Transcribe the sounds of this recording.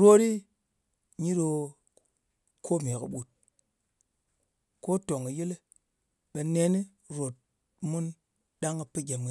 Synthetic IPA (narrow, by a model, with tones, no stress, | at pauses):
ɾo˦ɾi˦ | ɲi˦do˧ | kʰo˦m˨e˨kɨ̰˨ɓu˨t̚ | ko˦to˨ŋi˨ji˦le˦ | ɓe˧ne˧˦ni˦ | ɾo˨t̚ | mu˦n | ɗa˦ŋa˨pɨ˦ɡʲe˨m˨